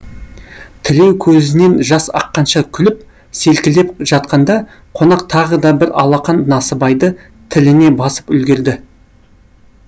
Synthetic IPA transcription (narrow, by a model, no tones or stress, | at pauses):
t̪ʰɪle̞wkʲʰɵzɪne̞nʒɑsɑ̰qːɑnʃɑkʲʰʏlɪp | se̞lkʲɪle̞pʒɑt̪̚qɑnd̪ɑ | qʰo̞nɑq̚t̪ʰɑʁəd̪ɑbɪɾɑ̰lˠɑqɑnːɑsəbɑjd̪ə | t̪ʰɪlɪne̞bɑsə̥pʏlɡʲe̞ɾd̪ɪ